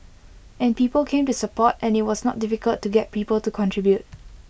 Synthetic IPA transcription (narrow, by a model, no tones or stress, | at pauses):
ʔɛ̃npiːpəlkʰẽːmtusəpɔtɛ̃nɪt̚wɔsnɔ̰t̚dɪfɪkəltːuɡɛt̚piːpəltukʰɔ̃ntʰɹibjut̚